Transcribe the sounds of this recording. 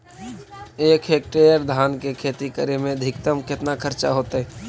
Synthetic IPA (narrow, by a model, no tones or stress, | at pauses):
eːkʰeːk̚ʈeːjəɾd̪ʱaːnkekʰeːt̪ikəɾemẽd̪ʱɪk̚t̪əmkɪt̪nakʰəɾt͡ʃa̰ɦoːt̪eɦɛ̃